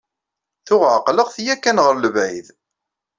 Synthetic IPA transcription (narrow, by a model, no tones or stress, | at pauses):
θʊʁʕqləʁθjækːænʁəɾləvʕajð